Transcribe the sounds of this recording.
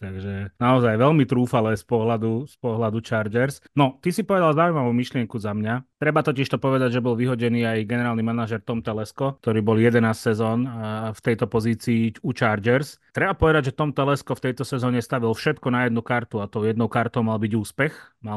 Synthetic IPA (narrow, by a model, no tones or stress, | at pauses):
t̪aɡʒɛnaɔzajʋɛlmit̪ɾuːfalɛːspɔɦlad̪uspɔɦlad̪ut͡ʃaɾd͡ʒɛɾsnɔt̪isipɔʋɛd̪alzaʊimaʋumiʃlɪɛŋkuzamɲat̪ɾɛbat̪ɔciʃt̪ɔpɔʋɛd̪aɟʒɛbɔlʋiɦɔɟɛniːajɡɛnɛɾaːlnimanaʒɛɾt̪ɔmt̪ɛlɛskɔk̚t̪ɔɾiːbɔljɛd̪ɛnaːssɛzɔːnft̪ɛjt̪ɔpɔziːt͡siːut͡ʃaːɾd͡ʒɛɾst̪ɾɛbapɔʋɛd̪aɟʒɛt̪ɔmt̪ɛlɛskɔft̪ɛjt̪ɔsɛzɔːɲɛst̪aʋilfʃɛt̪kɔnajɛd̪̚nukaɾt̪uat̪ɔʊɛd̪nɔʊkaɾt̪ɔʊmalbiɟuːspɛxma